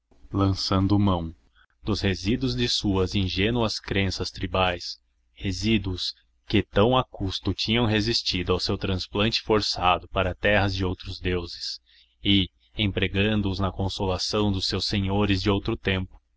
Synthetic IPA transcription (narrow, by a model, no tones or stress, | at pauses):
lɐ̃sɐ̃nd̪ʊmɐ̃w̃ | d̪ʊshezid̪uʊzd͡ʒɪsuɐzĩʒenuɐskɾẽsɐst̪ɾibajs | hezid̪uʊs | kɪt̪ɐ̃w̃akust̪ʊt͡ʃĩɲɐ̃w̃ɦezist͡ʃid̪ʊawsewt̪ɾɐ̃splɐ̃nt͡ʃɪ̥foɾsad̪ʊpaɾɐt̪ɛɦɐzd͡ʒɪowt̪ɾʊzd̪ewzɪs | ɪ | ẽpɾeɡɐ̃nd̪ʊːznɐkõsolasɐ̃w̃d̪ʊsewsẽɲoɾɪzd͡ʒɪowt̪ɾʊt̪ẽmpʊ̥